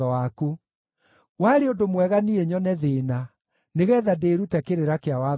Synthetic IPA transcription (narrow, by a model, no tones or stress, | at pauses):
ɔwaku | waɾeodomwɛɣanieɲɔnɛðeːna | neɣɛːðadeɾutɛkeɾeɾakeawa